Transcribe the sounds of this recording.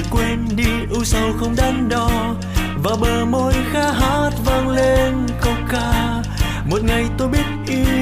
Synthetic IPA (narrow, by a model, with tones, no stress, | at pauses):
kwe˧nɗi˧ʔu˧sə˧˩wxə˧wŋ͡mɗa˧˦nɗɔ˧ | vaː˨˩ɓəː˨˩mo˧jxaː˧˥ɦaː˦˥t̚vaː˧ŋle˧nkə˧wŋ͡mkaː˧ | mo˨˩t̚ŋa˨˩jt̪o˧jɓi˦˥ət̚ʔi˧